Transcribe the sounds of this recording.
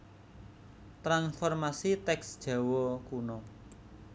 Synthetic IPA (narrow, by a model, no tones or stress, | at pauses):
t̪ɾanfɔrmasit̪ɛksd̥ʒ̥a̤wɔkunɔ